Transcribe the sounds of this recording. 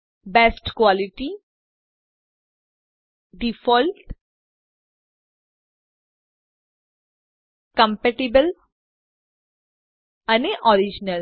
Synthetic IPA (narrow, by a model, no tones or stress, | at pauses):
bɛːsʈkwaːlɪʈi | ɖifʰɔːlʈ | kə̃mpɛʈibəl | əneʔɔːɾid͡ʒnəl